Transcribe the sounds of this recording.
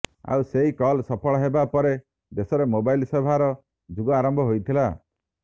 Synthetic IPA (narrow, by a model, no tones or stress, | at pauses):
a̰wseɦikɔlsɔpʰɔɭɔɦebapɔɾe | d̪esɔɾemobajlsebʱaɾɔ | d͡ʒuɡɔaɾɔmbʱɔɦojt̪ʰila